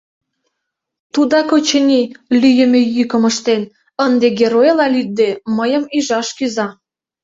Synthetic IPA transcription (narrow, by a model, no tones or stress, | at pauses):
t̪ud̪ɑkot͡ɕə̆nʲilyjə̆mʲejykə̆məʃt̪en | ənd̪eɡʲeɾojlɑlʲyt̪̚d̪eməjə̆miʒɑʃkyzɑ